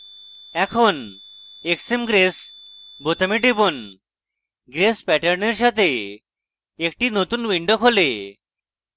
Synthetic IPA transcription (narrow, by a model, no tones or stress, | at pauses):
ɛ̃kʰoneksemɡɾesbot̪amiʈepon | ɡɾespæʈəɾneɾɕat̪e | kʈiːnot̪uːnʋiɳɖəkʰole